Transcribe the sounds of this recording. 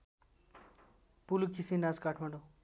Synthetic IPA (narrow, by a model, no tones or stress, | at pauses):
pulukisinad͡zkaʈʰmaɳɖo